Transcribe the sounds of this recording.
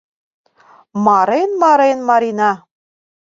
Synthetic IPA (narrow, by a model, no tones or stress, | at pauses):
mɑɾenmɑɾenmɑɾinɑ